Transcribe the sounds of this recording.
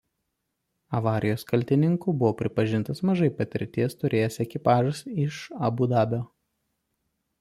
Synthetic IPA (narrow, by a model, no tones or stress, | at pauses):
ɐʋɑːɾʲɪjoːskɐlʲt̪ʲɪnʲɪŋkuːbʊʋoːpʲɾʲɪpɐʒʲɪnt̪ɐsmɐʒɐɪpɐt̪ʲɪɾʲt̪ʲiɛst̪ʊɾʲʔeːjɛsɛkʲɪpɑːʒɐsɪʃɐbuːd̪ɑːbʲoː